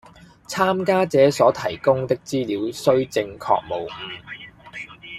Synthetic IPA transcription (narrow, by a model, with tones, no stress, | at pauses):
t͡sʰaː˥mkaː˥t͡sɛː˨˥sɔː˨˥t̪ʰɐ˨˩jkʊ˥ŋt̪ɪ˥k̚t͡siː˥liː˨˥wsɵ˥ɥt͡sɪ˧ŋkʰɔ̰ː˧k̚mo˨˩wŋ̩ː˨˩